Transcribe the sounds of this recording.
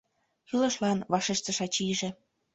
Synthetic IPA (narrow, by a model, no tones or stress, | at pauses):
xylɤ̆ʃlɑnβɑʃeʃt̪ə̆ʃɑt͡ɕiʒĕ